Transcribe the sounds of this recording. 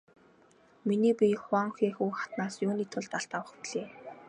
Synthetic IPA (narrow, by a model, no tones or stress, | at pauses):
miniːpʲiχwaŋxiːxuːχḁt̪naːsjʊːniːt̪ʰʊɮt̪aɬt̪awə̆χɮeː